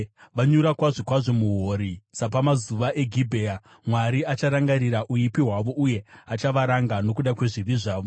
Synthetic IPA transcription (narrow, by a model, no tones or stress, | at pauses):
ʋaɲuɾakwaʐokwaʐo̞muɦoːɾisap̬amazuʋaʔe̞ɡʱibʱea | mwaɾiat͡ʃaɾaŋɡaɾiɾaʔuipiɦwaʋo̞ʔuje̞at͡ʃaʋaɾaŋɡano̞k̬uɗakwe̞ʐiʋiʐaːʋo